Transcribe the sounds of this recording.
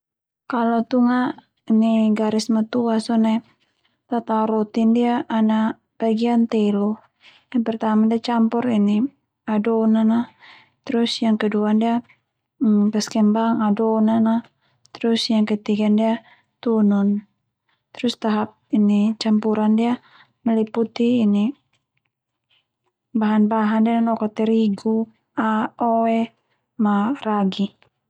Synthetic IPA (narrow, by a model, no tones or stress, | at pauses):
kalot̪uŋaʔ | iniɡaɾismat̪uasɔnɛ | t̪at̪aɾot̪ɪndiaʔːna | b̥aɡiant̪ɛlɔ | jaŋpərt̪amadiat͡ʃampʊrini | adɔnana | t̪ɾʊsjaŋkəduandia | bəskɛmbaŋadɔnana | t̪ɾusjaŋkət̪iɡandia | t̪unɔn | t̪ɾust̪aɦap̚init͡ʃampuɾandia | məliput̪iːni | baɦanbaɦandiananɔkɔt̪ɛɾiɡu | aɔɛ | maraɡi